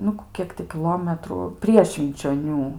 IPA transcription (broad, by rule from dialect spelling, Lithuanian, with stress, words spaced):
ˈnʊ ˈkʲiɛk tʲɪ kʲɪˈlˠoːmʲɛtrʊ ˈpʲrʲiɛ ʃʲʋʲɪnʲt͡ʃʲoːˈnʲuː